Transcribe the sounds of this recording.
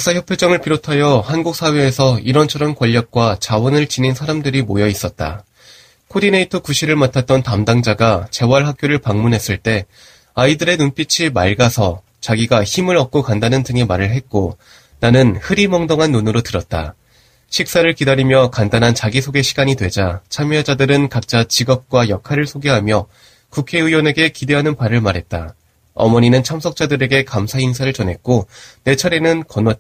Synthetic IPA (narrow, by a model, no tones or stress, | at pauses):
aks͈açjʌpʰjoɭd͡ʑʌŋɯɭpiɾotʰajʌhanɡuk̚s͈ʰawe̞ːsʰʌiɾʌnt͡ɕʰʌɾʌnkwʌʎːʌk̚k͈wat͡ɕawʌnɯɭt͡ɕininsʰaɾamdɯɾimojʌis͈ʌt̚t͈a̰ | kʰoɾineitʰʌkuɕʰiɾɯɭmatʰat̚t͈ʌntamdaŋd͡ʑaɡat͡ɕe̞waɭɦak̚k͈joɾɯɭpaŋmunɦe̞s͈ɯɭt͈e̞ | aidɯɾe̞nunp͈it͡ɕʰimaɭɡasʰʌ | t͡ɕaɡiɡaçimɯɾʌk̚k͈okandanɯndɯŋemaɾɯɭɦe̞t̚k͈o | nanɯnhɯɾimʌŋdoŋɦanːonɯɾotɯɾʌt̚t͈a̰ | ɕʰik̚s͈aɾɯɭkidaɾimjʌkandanɦant͡ɕaɡisʰoɡe̞ɕʰiɡaɲidwe̞d͡ʑat͡ɕʰamjad͡ʑadɯɾɯnkak̚t͡ɕ͈at͡ɕiɡʌp̚k͈wajʌkʰaɾɯɭsʰoɡe̞ɦamjʌ | kukʰe̞ɯjwʌne̞ɡe̞kide̞ɦanɯnpaɾɯɭmaɾɦe̞t̚t͈a̰ | ʌ̰mʌɲinɯnt͡ɕʰamsʰʌk̚t͡ɕ͈adɯɾe̞ɡe̞kamsʰainsʰaɾɯɭt͡ɕʌnɦe̞t̚k͈one̞t͡ɕʰʌɾe̞nɯnkʌnwʌ